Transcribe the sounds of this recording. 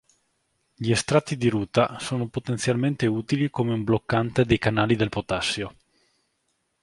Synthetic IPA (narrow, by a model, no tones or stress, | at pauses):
ʎiest̪ɾat̪ːid̪iɾuːt̪asoːnopot̪ent̪sjalment̪euːt̪ilikomeumblokːant̪ed̪ejkanaːlid̪elpot̪asːjo